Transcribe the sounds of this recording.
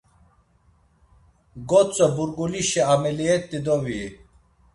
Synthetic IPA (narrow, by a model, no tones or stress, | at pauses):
ɡɔt͡sʼɔbuɾɡuliʃɛamɛliɛt̪ːid̪ɔvi